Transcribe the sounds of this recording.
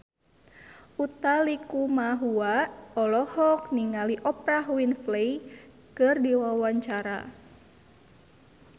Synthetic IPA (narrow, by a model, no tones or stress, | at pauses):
ʔut̪alikumaɦuaʔɔlɔhɔk̚niŋaliʔɔpɾaɦwinflej | kɨrdiwawaɲt͡ʃaɾa̰